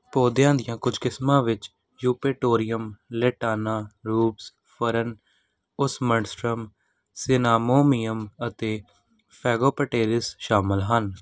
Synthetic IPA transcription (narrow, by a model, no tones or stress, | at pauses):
poːd̪jãːd̪ɪjãːkʊd͡ʒkɪsmãːʋɪt͡ʃ | juːpeːʈoːɾɪjəmleːʈaːnãːɾuːps | pʰəɾən | ʊsməɳsʈɾəm | sɪnaːmoːmiːəmət̪eː | pʰɛːɡoːpəʈeːɾɪsʃaːmɪlɦən